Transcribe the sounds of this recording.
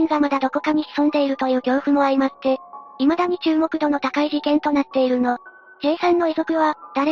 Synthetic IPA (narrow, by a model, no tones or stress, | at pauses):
ĩŋɡamad̪ad̪o̞ko̞kaɲ̟içi̥sõ̞nd̪e̞iɾɯ̟t̪o̞jɯ̟ːɡʲo̞ːɸɯ̟mo̞aɾʲimasi̥t̪e̞imad̪aɲ̟it͡ɕɨːmo̞kɯ̟d̪o̞no̞t̪akaiʑikẽnt̪o̞nat̪ːe̞iɾɯ̟no̞ | ke̞ːsãnːo̞iso̞kɯ̟βad̪̥aɾe